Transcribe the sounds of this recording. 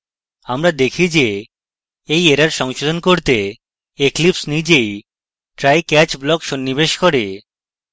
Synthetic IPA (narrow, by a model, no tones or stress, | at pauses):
amɾad̪ekʰid͡ʑe | ejeɾaɾʃɔŋʃod̪ʱonkoɾt̪e | eklipsnid͡ʑej | ʈɾajkɛt͡ɕblɔkʃonːibeʃkoɾe